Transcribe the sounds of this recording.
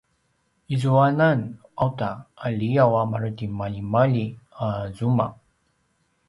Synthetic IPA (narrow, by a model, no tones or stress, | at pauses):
izuananawtaːliawamaɾtimaʎimaʎiazuma